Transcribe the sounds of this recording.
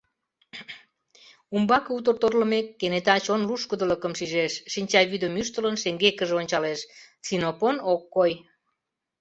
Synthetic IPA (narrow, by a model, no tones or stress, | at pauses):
umbɑkeut̪ərt̪orlə̆mekːenet̪ɑt͡ɕonluʃkəd̪ələkəmʃiʒeʃʃinʲt͡ɕɑβyd̪əmyʃt̪ələnʃeŋɡekəʒeonʲt͡ɕɑleʃ | sinoponokːoj